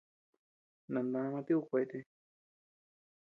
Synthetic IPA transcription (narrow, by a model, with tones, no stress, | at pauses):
nã˨nd̪ã˧mã˧t̪i˦u˦˧kʷa˧i˧t̪e˧